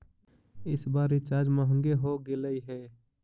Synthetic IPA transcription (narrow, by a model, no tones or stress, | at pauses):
ɪsbaːɾet͡ʃaːd͡ʒməɦə̃ŋɡeɦoɡeləiɦɛː